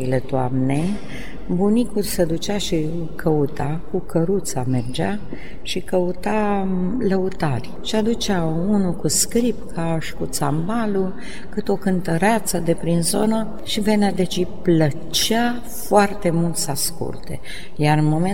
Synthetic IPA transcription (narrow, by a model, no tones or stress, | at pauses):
let̪oa̰mne | bunikulsed̪ut͡ʃaʃi | kʰəut̪a | kukəɾut̪same̞rd͡ʒa | ʃikəut̪aləut̪arʲʃiad̪ut͡ʃaunukuskɾipkʰaʃi̥kut̪sambalu | kɨt̪o̞kɨnt̪əɾat̪səd̪e̞pɾinzo̞nə | ʃive̞nad̪et͡ʃiplə | t͡ʃa | foart̪e̞mult̪saskṵlt̪ḛ | jaɾɨnmo̞me